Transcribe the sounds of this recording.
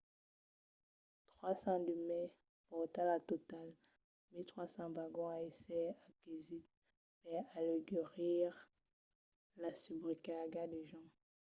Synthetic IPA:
t̪χwasɑ̃d̪əmɛ | pɔt̪alat̪ɔt̪al | milt̪χwasɑ̃vaɡɔ̃aeseakizit̪̚ | pɛaleɡɛʁiʁ | lasybʁikaɡad̪eʒɑ̃

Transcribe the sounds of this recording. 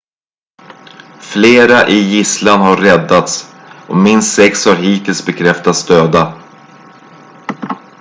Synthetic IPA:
fleːɾaʔɪjɪslanɦaɾːɛd̪ːat̪s | ɔmɪnst̪sɛkshaɾɦiːt̪ʰɪlsbɛkʰɾɛft̪at̪sd̪øːd̪a

